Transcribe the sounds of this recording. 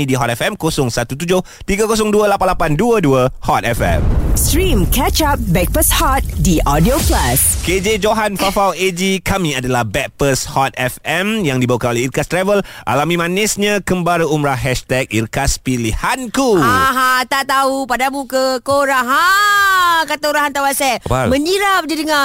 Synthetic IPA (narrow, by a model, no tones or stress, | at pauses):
ĩdiɦɔt̪ɛfɛmkosʊŋsat̪ut̪̬ud͡ʒʊh | t̪iɡakos̬ʊŋduəlapanlapanduəduəhɔt̪̚ɛfɛ̰mstɾĩmkɛt͡ʃap̚bɛk̚pəshɔt̪̚diʔɔdioklasked͡ʒed͡ʒoɦanfafawed͡ʒikamĩadalahbɛk̚pəshɔt̪̚ɛfɛmjaŋdibawakanoleirkast̪ɾɛvəlʔa̰lamĩmãnɪsɲãkəmbaɾəumɾaɦɛʃt̪ɛk̚irkaspilihankuaɦãt̪aʔt̪aupadamukəkoɾaɦa | kat̪oɾaɦant̪awasɛt̪̚mə̃ɲiɾap̚didəŋa